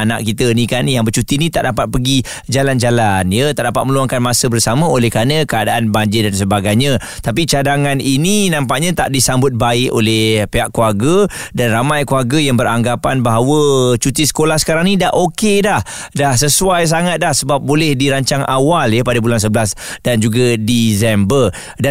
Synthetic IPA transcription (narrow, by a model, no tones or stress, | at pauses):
ana̰ʔkit̪ənikanjaŋbət͡ʃut̪init̪a̰ʔdapat̪̚pəɡi | d͡ʒaland͡ʒalanjət̪aʔdapat̪̚mə̃luaŋkanmasəbərsamə̃olɛhkanəkəadaʔanbaɲd͡ʒɪdansəbaɡajɲã | t̪ap̬it͡ʃadaŋanininãmpaʔɲãt̪a̰ʔdisambʊt̪̚baɪʔo̰lɛhpeɦaʔkuarɡədanramajkuarɡəjaŋbəɾaŋɡapanbaɦawət͡ʃut̪isə̥kolahsə̥kaɾaŋnidaʔokedah | dahsəsuajs̬aŋat̪̚dahsəbap̚bolɛhdiɾaɲt͡ʃaŋʔawaljəpadabulans̬əbəlasdand͡ʒuɡadizɛmbər | da